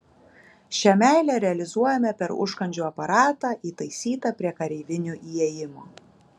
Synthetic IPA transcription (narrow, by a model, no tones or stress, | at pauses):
ʃʲɛmʲæˑɪlʲɛɾʲɛɐlʲɪzuɔjɛmʲɛpʲɛɾʊ̰ʃkɐnʲd͡ʒʲuːɐpɐɾɑːt̪ɑːʔiːt̪ɐɪsʲiːt̪ɑpʲɾʲiɛkɐɾʲɛɪʋʲɪnʲuːʔiːɛjɪmoː